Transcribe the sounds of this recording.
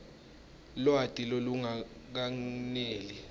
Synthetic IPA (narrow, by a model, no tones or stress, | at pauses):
lwatʼiloluŋa | k̬aŋneːli